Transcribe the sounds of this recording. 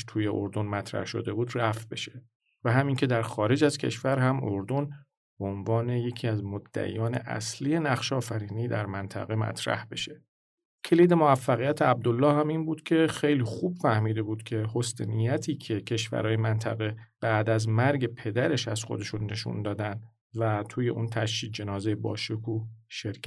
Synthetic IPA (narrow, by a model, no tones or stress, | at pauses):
t̪ʰuːjeʔo̰ɾd̪o̞nmæt̪ʰɾæ̰hʃo̞̰d̪e̞buːd̪ræft̪̚be̞ʃe̞̥ | væɦæmiːŋcʰe̞d̪æɾxɒːɾe̞d͡ʒæzcʰe̞̰ʃvæɾhæmo̞ɾd̪o̞n | b̥eonvɒːne̞je̞cʰiːæzmod̪ːæ̰ʔḭːjɒːne̞̰ʔæ̰slije̞næχʃɒːfæɾiːniːd̪æɾmænt̪ʰæ̰ɣe̞mæ̰t̪ʰɾæ̰hbe̞ʃe̞ | cʰeliːd̪e̞moæfːæɣijæt̪ʰeæb̚d̪olːɒːhæmiːnbuːd̪̥cʰe̞xe̞jliːxuːb̥fæhmiːd̪e̞buːd̪̥cʰe̞host̪enijæt̪ʰiːcʰe̞cʰe̞ʃvæ̰ɾɒːjemænt̪ʰæɣe̞b̥æːd̪æzmæɾɟe̞pʰe̞d̪æɾe̞ʃæz̥xo̞d̪e̞ʃunːe̞ʃṵnd̪ɒːd̪ænd̪ | væt̪ʰuːje̞ʔunt̪ʰæʃːiːd͡ʒe̞nɒːzejebɒ̰ːʃokʰuːʃeɾkʰæ